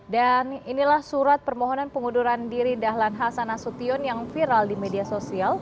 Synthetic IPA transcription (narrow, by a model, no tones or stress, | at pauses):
daninilahsuɾat̪̚pərmoɦɔnanpəŋuduɾandiɾidaɦlanɦasanasut̪iɔnjaŋfiɾaldimediasosial